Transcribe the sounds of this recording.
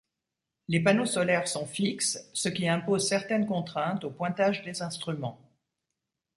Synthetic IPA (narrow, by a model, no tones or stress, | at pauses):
lepanosɔlɛʁsɔ̃fikssəkʲiɛ̃pozsɛʁt̪ɛnkɔ̃t̪χɛ̃t̪opwɛ̃t̪aʒd̪ezɛ̃st̪χymɑ̃